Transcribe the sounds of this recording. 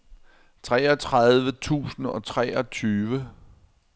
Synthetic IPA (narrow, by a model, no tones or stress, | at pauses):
t͡sʰʁɛːɒ̽t͡sʰʁaðˠʋət͡sʰṵːsn̩ɒ̽t͡sʰʁɛɒ̽t͡sʰyːʋə